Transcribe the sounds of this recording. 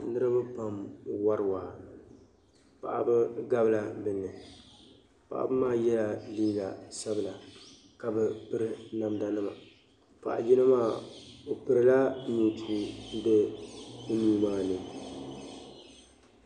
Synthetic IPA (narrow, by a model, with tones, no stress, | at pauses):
nɨ˦ɾɨ˦ba˦pa˨mwa˦ɾɨ˦˨waː˨ | pa̰˨ʔa̰˨bɨ˦ɡa˦bla˨bɨ˨nːɨ˨ | pa̰˨ʔa̰˨bɨ˦maː˦jɛ˦ja˨liː˦la˨sa˦bɨ˨la˨ | ka˨bɛ˨pɨ˦ɾɨ˦na˨mda˨nɨ˦ma̰˨ | pa̰˨ʔa̰˨d͡ʒi˦nɨ˦maː˦˨o˨pɨ˨ɾɨ˦la˦ɲu˨tʰu˦n̩˦dɛ˦u˦nuː˦maː˦nɨ˨